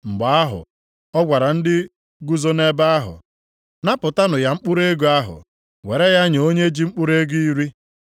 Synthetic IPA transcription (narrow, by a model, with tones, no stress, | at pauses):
ŋ͡m̩˨ɡ͡ba˨a˦ɦʊ̰˨ | ɔ˦ɡʷa˨ɾa˨n̩˦dɪ˦ | ɡu˦zo˦ne˦ba˦a˦ɦʊ̰˨ | na˦pʊ˨ta˦nʊ˨ja˨ŋ͡m̩˦k͡pʊ˦ɾe˦ɡu˨a˦ɦʊ̰˨ | we˨ɾe˦ja˦ɲ˨o˦ɲe˦d͡ʒi˦ŋ͡m̩˦k͡pʊ˦ɾe˦ɡu˦i˦ɾi˦